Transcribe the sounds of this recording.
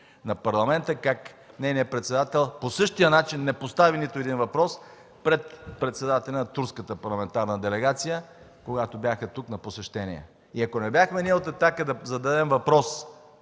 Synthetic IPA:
nɐpɐɾlˠɐmɛnt̪əkak | nɛjnijəpɾɛt̪sɛd̪at̪ɛlˠposɤʃt̪ijənat͡ʃinːɛpost̪avinit̪oɛd̪invɐpɾɔs | pɾɛt̪pɾɛt̪sɛd̪at̪ɛlʲɛnɐt̪uɾskət̪əpɐɾlˠɐmɛnt̪aɾnəd̪ɛlɛɡat̪sijə | koɡat̪obʲjaxɐt̪uknɐposɛʃt̪ɛnḭɛ̰ | iɐkonɛbjaxmɛniot̪ɛt̪akəd̪ɐzɐd̪ɐd̪ɛmvɐpɾɔs

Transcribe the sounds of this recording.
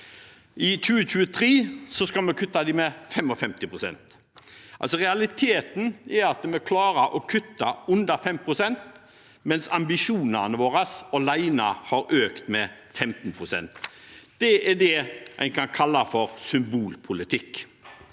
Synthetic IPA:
ɪc͡çʉːəɕʉːət̪ʰɾeːsɔskɑlmɛkʰʉt̪ːɑd̪ɪmɛfɛmːɔfɛmt̪ɪpʰɾʊsɛ̰nt̪ | ʔɑ̰lsɔɾɛɑlɪt̪ʰeːt̪n̩ɛɾɑt̪̚d̪ɛmɔkʰlɑːɾəʔɔkʰʉt̪ːɑʉnd̪ɑfɛmpʰɾʊsɛnt̪ | mɛnsɑmbɪʂuːnənəʋoːɾɑsɔlæɪnɑhɑɾøːkt̪mɛ | fɛmt̪n̩pʰɾʊsɛ̰nt̪ | d̪̥ɛɛɖɛʔæ̰ɪkʰɑnkʰɑlːɑfɔɾsʏmbuːlpʰʊlɪt̪ʰɪkː

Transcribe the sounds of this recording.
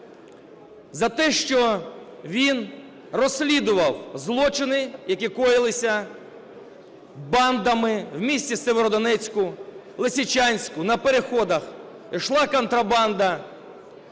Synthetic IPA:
zɐt̪ɛʃt͡ʃɔ | ʋʲin | rɔsʲlʲid̪ʊʋɐwzlˠɔt͡ʃɪnɪjɐkʲikɔjɪlˠɪsʲɐ | bɑnd̪ɐmɪwmʲisʲtʲt͡sʲiseʋeɾɔd̪ɔnɛt͡sʲkʊ | lˠesʲit͡ʃʲanʲsʲkʊnɐpeɾexɔd̪ɐx | iʃlˠɑkɔnt̪ɾɐbɑnd̪ɐ

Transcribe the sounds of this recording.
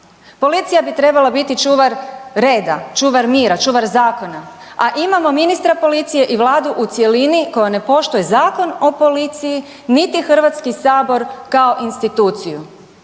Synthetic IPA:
po̞lit̪sijabit̪ɾe̞balˠabit̪it͡ʃuːʋaɾɾe̞ːd̪at͡ʃuːʋaɾmiːɾat͡ʃuːʋaɾzaːko̞na | aʔimamo̞minist̪ɾapo̞lit̪sije̞ʔiʋlaːd̪uʔut̪sje̞liniko̞jane̞po̞ʃt̪ojezaːko̞no̞po̞lit̪siji | nit̪ixr̩ʋat̪skisaːbo̞ɾkaoʔinst̪it̪uːt̪siju

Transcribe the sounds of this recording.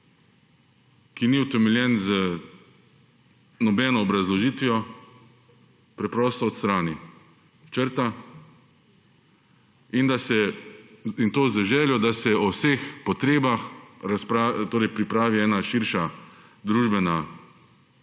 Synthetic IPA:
kiniʊt̪ɛmɛlʲjɛnzə | nɔbɛːnɔːbɾazlɔʒiːt̪ʋijɔ | pɾɛpɾɔːst̪ɔːt̪st̪ɾaːni | t͡ʃəɾt̪a | ind̪asɛ | int̪oːzəʒɛːljɔd̪asɛɔwseːxpɔt̪ɾeːbaxɾaspɾat̪oːɾɛjpɾipɾaːʋiɛːnaʃiɾʃa | d̪ɾuːʒbɛna

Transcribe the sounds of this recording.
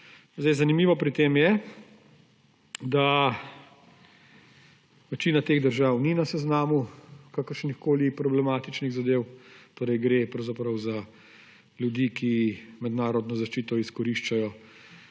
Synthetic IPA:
zd̪ɛjzanimiːʋɔpɾit̪eːmjɛ | d̪a | ʋɛt͡ʃiːnat̪eːɣd̪əɾʒawninasɛznaːmukakəɾʃnixkoːlipɾɔblɛmaːt̪it͡ʃniɣzad̪eːwt̪oːɾɛjɡɾepɾɐwzapɾɐwza | ljud̪iːkʰimɛd̪naːɾɔd̪nɔzaʃt͡ʃiːt̪ɔiskɔɾiʃt͡ʃajɔ

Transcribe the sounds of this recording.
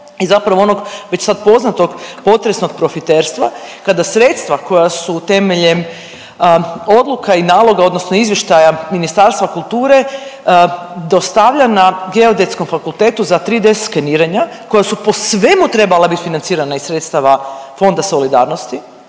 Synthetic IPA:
izapɾaʋoonoɡʋet͡ɕsad̪po̞znat̪o̞ɡpo̞t̪ɾesno̞ɡ̚pɾo̞fit̪eːɾst̪ʋakad̪asɾeːt̪st̪ʋako̞jasut̪e̞meʎem | o̞d̪lˠukʰainaːlˠo̞ɡao̞d̪nosnoizʋjeʃt̪ajaminist̪aɾst̪ʋakulˠt̪uːɾe̞ | d̪o̞st̪aʋʎanaɡe̞o̞d̪et̪sko̞mfakulˠt̪eːt̪uzat̪ɾiːd̪ese̥t̪kaniːɾeɲa | ko̞jasupo̞sʋe̞mut̪ɾe̞balˠabit̪finant̪siːɾanaisɾet̪st̪aʋafo̞nd̪aso̞lid̪a̰ːɾnost̪i

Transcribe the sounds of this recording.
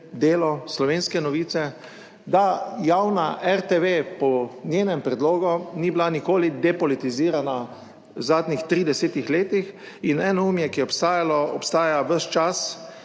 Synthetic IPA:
d̪eːlɔslɔʋeːnskɛnɔʋiːt̪sɛ | d̪ajawnaʔɛɾt̪eʋeːpɔnjeːnɛmpɾɛd̪loːɡɔniːbilanikoːlid̪ɛpɔlit̪iziːɾana | zaːd̪nixt̪ɾiːd̪ɛseːt̪ixleːt̪ix | inɛːnɔuːmjɛkijɛɔpst̪aːjalɔɔpst̪aːjaʋəʃt͡ʃas

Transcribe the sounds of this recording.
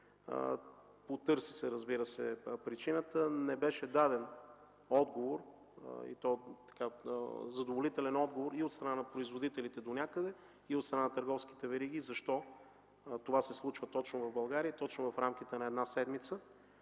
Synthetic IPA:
pot̪ɤɾsisɛɾəzbiɾəsɛpɾit͡ʃinət̪ənɛbɛʃɛd̪ad̪ɛn | ɔd̪ɡovoɾ̰ | ḭt̪ɔt̪ɐ̥kazɐd̪ovolit̪ɛlɛnɔd̪ɡovoɾiot̪st̪ɾɐnanɐpɾoizvod̪it̪ɛlit̪ɛd̪onʲakəd̪ɛ | iot̪st̪ɾɐnanɐt̪əɾɡɔfsk̟i̥t̪ɛvɛɾiɡ̟ʲizɐʃt̪ɔ | t̪ovasɛslˠut͡ʃvət̪ɔt͡ʃnʊvɐvbɐlˠɡaɾiət̪ɔt͡ʃnʊvɐfɾamk̟ʲit̪ɛnɐɛd̪nasɛd̪mit̪sə

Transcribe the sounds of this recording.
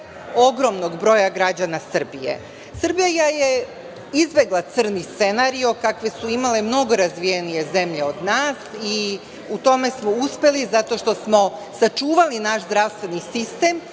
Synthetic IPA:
o̞ɡɾo̞mnoɡbɾo̞jaɡɾad͡ʑanasr̩bijḛ | srbijajaje | izbe̞ɡlˠat̪sɨr̩nist̪se̞naɾio̞kakʋe̞suimale̞mno̞ɡo̞ɾazʋijenije̞ze̞mʎe̞od̪naːsi | ut̪o̞me̞smo̞uspe̞lizat̪o̞ʃt̪o̞smo̞sat͡ʃuːʋalinaʃzd̪ɾaʋst̪ʋe̞nisist̪e̞m

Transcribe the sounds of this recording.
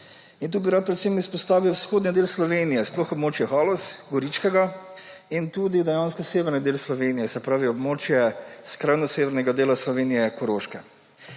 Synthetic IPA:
int̪uːbiɾat̪̚pɾɛt̪semispɔst̪aːʋiwsxoːd̪nid̪eːlslɔʋenijɛsplɔxɔbmoːt͡ʃjɛxaːlɔsɡɔɾit͡ʃkɛɡa | int̪uːd̪id̪ɛjaːnskɔseːʋɛɾnid̪eːlslɔʋeːnijɛsɛpɾaːʋiɔbmoːt͡ʃjɛskɾaːjnɔseːʋɛɾnɛɡad̪eːlaslɔʋeːnijɛkɔɾoʃkɛ

